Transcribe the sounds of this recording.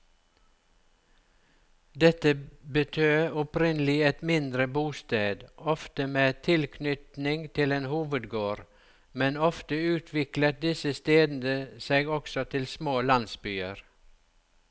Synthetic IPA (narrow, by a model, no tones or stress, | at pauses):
d̪ɛt̪əbət̪ʰøːʊpɾɪnəlɪɛt̪mɪnd̪ɾəbuːst̪eːd̪ɔft̪əmeːt̪ʰɪlkʰnʏt̪nɪŋt̪ʰɪleːnhuːʋəd̪ɡoːɾ | mɛnɔft̪əʉːt̪ʰʋɪklət̪̚d̪ɪsəst̪eːd̪n̩d̪əseːɡɔksɔt̪ʰɪlsmoːlɑnsbyːəɾ